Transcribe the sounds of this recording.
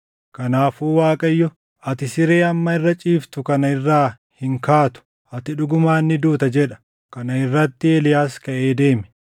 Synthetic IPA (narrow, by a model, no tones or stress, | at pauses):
kɐnaːfuːwaːkʼɐjːɔ | ɐt̪ɪsɪɾe̞ːɐmːɐɪrːɐt͡ʃʼiːft̪ʊkɐnɐɪrːaː | hɪŋkaːt̪ʊ̥ | ʔɐt̪ɪᶑʊɡʊmaːnːɪd̪uːt̪ɐd͡ʒɛᶑɐ̥ | kɐnɐɪrːɐt̪ːɪeːlɪjaːskɐʔe̞ːd̪e̞ːmɛ̥